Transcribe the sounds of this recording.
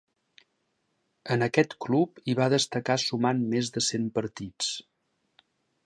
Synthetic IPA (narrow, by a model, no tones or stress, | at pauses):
ənəkɛt̪klupiβaðəst̪əkasumanmezðəsempəɾt̪it͡s